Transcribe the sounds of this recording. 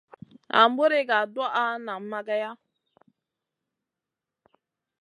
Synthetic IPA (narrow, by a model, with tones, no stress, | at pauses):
a̰˨m̩˦bo˦ɾe˦ɡa˨da˦ʔa˦na˨m̩˦ma˦ɡa˦ja˦